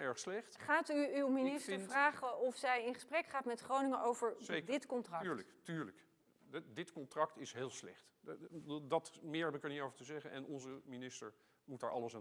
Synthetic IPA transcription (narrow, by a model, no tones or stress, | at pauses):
ɛɹχslɛχtχaːtyywminɪstəɹfraːχəɔfsɛjɪnχəsprɛkχaːtmɛtχrownɪŋənʔowvəɹedɪtkɔntrɑɹləktyːɹlək | dɪtkɔntrɑktɪsɦeːlˠslɛ̰χtdˠdɑtmɪːɹɦɛpɪkəɹnitowvətəzɛχənʔɛ̰nɔnzəminɪstəɹ | mutdaːɹʔɑ̰ləsa